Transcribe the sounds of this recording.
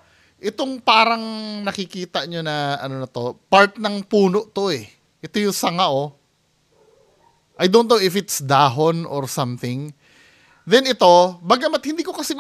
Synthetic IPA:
ʔɛt̪o̞ŋpaːɾɐŋnɐkɪkiːt̪ɐɲonɐɐ̰no̞nɐt̪o̞paɹt̪̚nɐŋpuːno̞ʔt̪o̞ɛ | ʔɛt̪o̞jʊsɐŋaʔo̞ | ʔɐjd̪onnowɪfɪt̪sd̪aːɦonʔoɹsɐmθɪŋ | d̪ɛnɪt̪o̞baɡɐmɐt̪̚hɪnd̪iːko̞kɐsim

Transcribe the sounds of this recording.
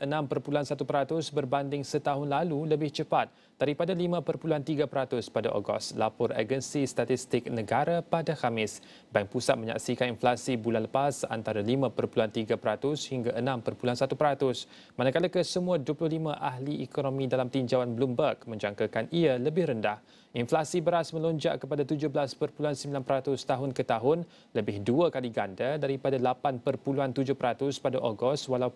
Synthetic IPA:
ʔənãmpərpuluɦansat̪upəɾat̪ʊsbərbandɪŋsət̪aɦʊnlaluləbɪht͡ʃəpat̪̚ | d̥aɾipadalimãpərpuluɦant̪iɡapəɾat̪ʊspada̰ʔo̰ɡɔ̰st̪lapɔrḛɡənsist̪at̪ist̪ɪk̚nəɡaɾapadakamɪs | baŋpusat̪̚mə̃ɲa̰ksikaninflasibulanləpasa̰nt̪aɾalimãpərpuluɦant̪iɡapəɾat̪ʊshiŋɡaʔənãmpərpuluansat̪upəɾat̪ʊs | mãnakalakəsəmũaduəplʊhlimãʔaɦliʔɛkonõmĩdalamt̪iɲd͡ʒawanblumbərkmə̃ɲd͡ʒaŋkakaniələbɪhɾəndah | inflasibəɾasmə̃loɲd͡ʒa̰ʔkəpadat̪ud͡ʒʊhbəlaspərpuluansəmbilanpəɾat̪ʊst̪aɦʊnkət̪aɦʊn | ləbɪhduakaliɡandadaɾipadalapanpərpuluant̪ud͡ʒʊhpəɾat̪ʊspadaʔoɡɔst̪walaw

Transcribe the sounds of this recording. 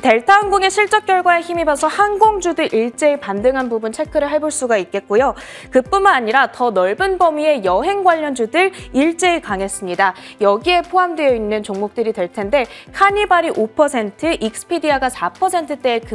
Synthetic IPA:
te̞ɭtʰaonɡuŋe̞ɕʰiɭt͡ɕ͈ʌp̚k͈jʌɭɡwaeçimibasʰʌhanɡoŋd͡ʑudɯɾʔiɭt͡ɕ͈e̞epandɯŋɦanbubunt͡ɕʰe̞kʰɯɾɯɭɦaɭboɭs͈uɡait̚k͈e̞t̚k͈ujo | kɯp͈unmanaɲiɾatʌnʌɭbɯnbʌmie̞jʌɦe̞ŋɡwaʎːʌnd͡ʑudɯɾɭiɭt͡ɕ͈e̞ekaŋe̞s͈ɯmɲidajʌɡie̞pʰoɦamdwe̞jʌinːɯnt͡ɕoŋmok̚t͈ɯɾidwe̞ɭtʰe̞nde̞kʰaɲibaɾiʔopʰʌsʰe̞ntʰɯʔik̚s͈ʰɯ̥pʰidiaɡasʰapʰʌsʰe̞ntʰɯt͈e̞ːkɯ

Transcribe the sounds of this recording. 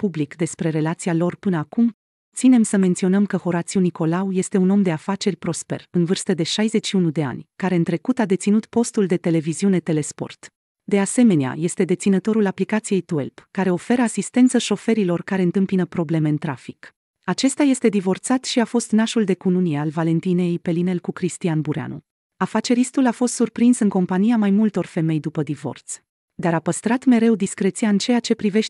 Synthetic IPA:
publikd̪e̞spɾe̞ɾe̞lat̪sialo̞rpɨnəakum | t̪sine̞msəme̞nt̪sio̞nəmkəho̞ɾat̪siuniko̞lauje̞st̪e̞uno̞md̪e̞afat͡ʃe̞rʲpɾo̞spe̞̰rɨnvɨrst̪əd̪e̞ʃajze̞t͡ʃʃiunud̪e̞a̰nʲkaɾe̞ɨnt̪ɾe̞kut̪ad̪e̞t̪sinut̪po̞st̪uld̪e̞t̪e̞le̞viziune̞t̪e̞le̞spo̞̰rt̪ | d̪e̞ase̞me̞nea̰je̞st̪e̞d̪e̞t̪sinət̪o̞ɾulaplikat̪sije̞jt̪uḛlpkːaɾe̞o̞fe̞ɾəasist̪e̞nt̪səʃo̞fe̞ɾilo̞rkaɾe̞ɨnt̪ɨmpinəpɾo̞ble̞me̞ɨnt̪ɾafi̥k | at͡ʃe̞st̪aje̞st̪e̞d̪ivo̞rt̪sat̪ʃiafo̞st̪naʃuld̪e̞kununiealvale̞nt̪inejejpe̞line̞lkukɾist̪ianbuɾea̰nṵ | afat͡ʃe̞ɾist̪ulafo̞st̪surpɾinsɨŋko̞mpanijamajmult̪o̞rfe̞me̞jd̪upəd̪ivo̞̰rt̪s | d̪aɾapəst̪ɾat̪me̞ɾe̞wd̪iskɾe̞t̪siaɨnt͡ʃe̞jat͡ʃe̞pɾive̞ʃ

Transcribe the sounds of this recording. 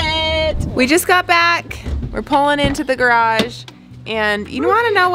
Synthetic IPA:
ɪtwid͡ʒʌsɡ̥ɑt̚b̥ækwɨ̰ɹpʰʊlˠɪ̃ŋɪ̃ntʉðɨɡə˞ɑʒ | ʔɨ̃njɨ̰ɾõwɑ̃ñɨnoʊ

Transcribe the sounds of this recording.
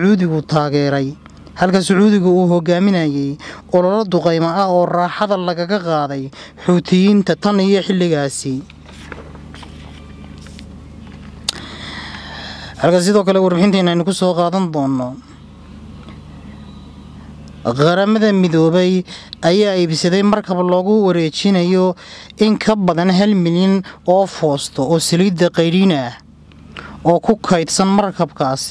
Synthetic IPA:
ʕuːðɪɣʊt̪ʰaːɣɛːɾɛj | hɐlkʰɐsʊʕuːðɪɣʊuːɦɔɣaːmɪnɐjɛjɔːlɐlɐd̪ʊqɛjmɐɐɔːrɑːħɑðɐlɐɣɐɣɐqɑːðɛjħʊːt̪ʰɪjiːnt̪ʰɐt̪ʰɐnɪjɔħɪlːɪɣaːsɪ | ʔɐlkʰɐs̬ɪðɔːkʰɐlɛwɑrbɪħɪnt̪ʰɐnɐɛjnʊkʰʊsɔːqɑːðɐnd̪ɔːnːɔ | qɑɾɐmɐðɐmɪðɔːβɛjɐjaːiːbsɐðɛjmɐrkʰɐblɔːɣʊwɐɾɛːt͡ʃɪnɐjɔɪŋkʰɐbɐðɐnɦɐlmɪlɪnɔːfɔːst̪ʰɔɔːsɐliːd̪ɐqɑjɾinɐ | ɔːkʰʊkʰɛjd̪sɐnmɐrkʰɐbkʰaːs

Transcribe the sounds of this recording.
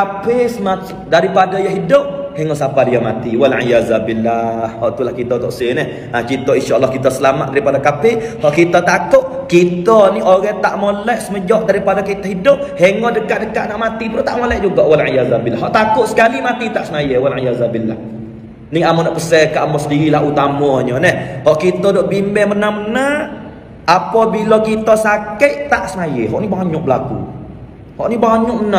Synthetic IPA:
sapɪsəma | daɾipadajaɦidʊp̚heŋɔʔsapadijamat̪iwalʕijazabilːahhɔʔt̪ulahkit̪ɔt̪ɔʔsɪnəh | at͡ʃit̪ɔinʃaʔlːɔhkit̪ɔsəlama̰t̪̚daɾipadakapɪhɔʔkit̪ɔt̪akʊʔ | kit̪ɔnioɾɛt̪aʔmolɛʔsəməd͡ʒɔʔ̚daɾipadakit̪aɦidʊp̚heŋɔdəkaʔ̚dəkaʔ̪̚naʔmat̪ipəlot̪a̰ʔmolɛʔd͡ʒuɡɔʔwalʕijazabilːaɦɔʔt̪akʊʔ̪̚sə̥kalimat̪it̪aʔsənajəwalʕijazabilːa̰h | niamɔnaʔpəsɛkaʔamɔsədiɾilaɦut̪amɔɲɔnɛhhɔʔkit̪ɔdɔʔbimɛhmənaməna | ʔapɔbilɔkit̪ɔsakəʔt̪aʔsənajə̰ɦɔ̰ʔnibaŋɲʊʔbəlakṵ | hɔ̰ʔnibaŋɲʊʔməna

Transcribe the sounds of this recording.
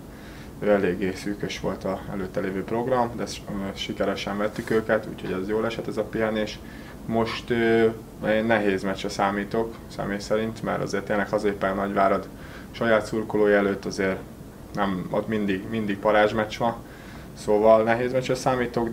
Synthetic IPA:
øɛleːɡːeːsyːkøʃʋo̞̰lt̪ɒɛ̰løːt̪ːɛleːvøːpro̞ɡrɒmd̪ɛʃikɛɾɛʃɛɱvɛt̪ːykøːkɛt̪ṵːcho̞ɟɛzjoːlɛʃɛt̪ɛzɒpiɦɛneːʃ | mo̞ʃt̪øː | eːnːɛɦeːzmɛt͡ʃɛsaːmiːt̪o̞k | sɛ̰meːjsɛɾint̪mɛ̰ɾɒ̰zeːrt̪eːnlɛkhɒzeːpɛnnɒɟʋaːɾɒd̪ | ʃɒjaːt̪surkoloːjɛløːt̪ːɒzeːr | nɛmo̰t̪mind̪iɡmind̪iɡ̚pɒɾaːʒmɛt͡ʃʋɒn | soːvɒlnɛɦeːzmɛt͡ʃɛsaːmiːt̪oɡ

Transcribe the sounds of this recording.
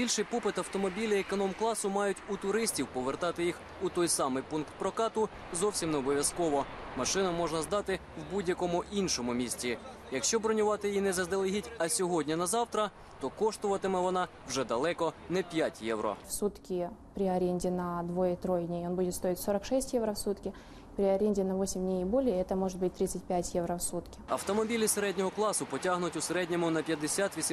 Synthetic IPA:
bʲilʲʃɪjpɔpɪt̪ɐwt̪ɔmɔbʲilʲiekɔnɔmklˠɑsʊmɑjʊtʲut̪ʊɾɪsʲtʲiwpɔʋert̪ɑt̪ɪjix | ut̪ɔjsɑmɪjpunkt̪̚pɾɔkɑt̪ʊ | zɔwsʲimnɛɔbɔʋʲjɐskɔʋɔmɐʃɪnɐmɔʒnɐzd̪ɑt̪ɪwbudʲjɐkɔmʊʔinʃɔmʊmʲisʲtʲi | jɐkʃt͡ʃɔbɾɔnʲʊʋɑt̪ɪjinɛzɐzd̪elˠɪɦʲitʲɐsʲɔɦɔdʲnʲinɐzɑwt̪ɾɐ | t̪ɔkɔʃt̪ʊʋɐt̪ɪmɛʋɔnɑ | wʒɛd̪ɐlˠɛkɔnɛpʲjatʲjɛʋɾɔ̰fsut̪kʲɪpɾʲɪɐɾʲenʲdʲɪnɐd̪ʋojɛt̪ɾojdʲnʲejonbudʲɪt̪st̪o̞ɪtʲsoɾɐkʂɛsʲtʲjɛvɾɐfsut̪kʲɪ | pɾʲɪɐɾʲenʲdʲɪnɐʋo̞sʲɪmʲdʲnʲejibolʲjɛɛt̪ɐmɔʐɨt̪̚bɨtʲt̪ɾʲit̪sɨtʲpʲætʲjɛʋɾɐfsut̪kʲɪ̥ɐ̰wt̪ɔmɔbʲilʲiseɾɛdʲnʲɔɦɔklˠɑsʊpɔtʲaɦnʊtʲʊseɾɛdʲnʲɔmʊnɐpʲjɐd̪esʲat̪ʋʲisʲ

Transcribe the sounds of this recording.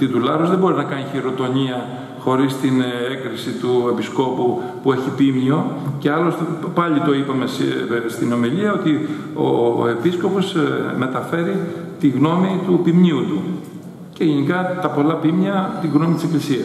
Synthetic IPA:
t̪it̪ulɐɾozðe̞bo̞ɾinɐkɐɲiçiɾo̞t̪o̞ɲiɐ | xo̞ɾist̪inekɾisit̪ue̞pisko̞pu | pue̞çipimio̞ceɐlo̞st̪epɐʎit̪o̞ipɐme̞sst̪ino̞miʎiɐo̞t̪i | o̰e̞pisko̞po̞sme̞t̪ɐfe̞ɾit̪iɣno̞mit̪upimɲiut̪u | ce̞ʝenikɐt̪ɐpo̞lɐpimɲɐt̪iɣno̞mit̪i̥se̞klisiɐs

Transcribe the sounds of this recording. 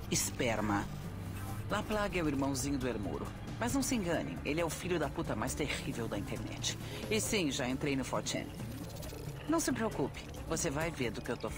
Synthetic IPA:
ispɛɾmɐ | laplaɡɐɛʊiɾmɐ̃w̃zĩɲʊd̪ʊeɾmṵɾʊ | mɐznɐ̃w̃sɪẽŋɡɐ̃nḛ̃ʔelɪɛʊfiʎʊd̪ɐput̪ɐmajst̪eʁivewd̪ɐĩnt̪eɾnɛ̰t͡ʃɪ̥ | ɪsĩʒaẽnt̪ɾejnʊfɔɾt͡ʃɛ̰̃n | nɐ̃w̃sɪpɾeokupɪ̥ | vosevajveɾd̪ʊkɪewt̪of

